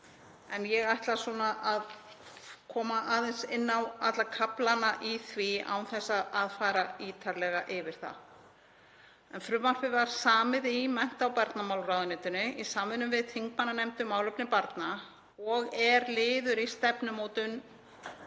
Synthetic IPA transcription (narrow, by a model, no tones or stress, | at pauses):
ɛnjɛɣajht̪lasɔːnaʔað | kʰɔːmaʔaːðɛnsɪnːawat̪lakʰaplanaʔiθvia̰wθɛsːaðaːðfaːjɾaiːt̪ʰaɾlɛɣaʔɪvɪɾ̥θa̰ | ɛnfɾʏvmar̥pɪvaɾ̥saːmɪðimɛn̥t̪awpaɾt̪namawlɾaːðʏnɛːt̪ʏnɪisaːmɪnʏmvɪðt̪ʰiŋkmanːanɛmt̪ʏmaːwlœpnɪpaɾt̪na | ɔɣɛɾlɪːðʏɾist̪ɛpnʏmoːwt̪ʏn